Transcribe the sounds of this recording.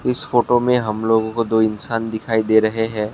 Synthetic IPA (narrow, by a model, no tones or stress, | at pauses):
ɪsfoːʈomẽɦɐmloːɡõkod̪oːɪnsaːnd̪ɪkʰaːid̪eːɾɐɦeɦɛ̃ː